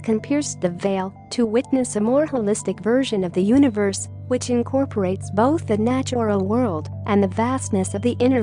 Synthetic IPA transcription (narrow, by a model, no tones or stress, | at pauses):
kʰɨ̃mpʰɪɹsðɨveɪlˠ | tʰɨwɪtⁿnɨsɨmɔɹəlɪstɨkvɜ˞ʒɨ̃nʌvðɨjʉnɨvə˞s | wɨt͡ʃɨ̃nkʰɔɹpʰə˞eɪtsb̥oʊθðɨnæt͡ʃl̩ˠwɜ˞lˠd | ʔɨ̃nðɨvæstnɨsʌvðiʔɪ̃ɾ̃ə˞